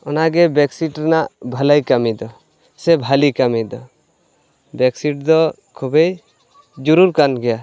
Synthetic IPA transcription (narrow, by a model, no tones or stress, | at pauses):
ɔnaɡɛbɛksiʈɾnaʔbʱalajkamid̪ɔ | sɛbʱalikamid̪ɔ | bɛksiʈd̪ɔ | kʰubej | d͡ʒuɾuɾkanɡɛja